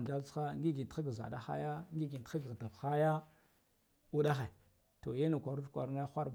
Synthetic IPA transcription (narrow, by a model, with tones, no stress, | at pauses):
nda˦lt͡sxa˦ŋɡi˦ɡi˨nti˦ɡza̰˨da˦xa̰˦ja˦ŋɡi˦ɡi˨n˨ti˦ɡɣda˨vxa˦ja˦ | u˦ɗa˦xe˨ | to˨je˦na˨kʷa˨ɾu˦fkʷa̰˨ɾna˦xʷa˦ɾ